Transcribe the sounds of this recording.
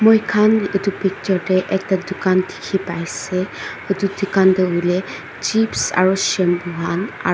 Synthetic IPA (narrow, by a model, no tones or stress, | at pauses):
mojkʰanetupik̚tɔɹtɛʔɛk̚tadʊkandʰi̥kʰipajsɛ | etudukandɔulɛ | t͡ʃipsa̰ɹusɛmbuɦana̰